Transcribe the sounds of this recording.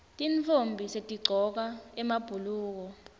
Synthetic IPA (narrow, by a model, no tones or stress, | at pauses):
tʼint͡fʰombʱisetʼiɡ͡ǀʱɔk̬aɛmab̥ʱuluːk̬ɔ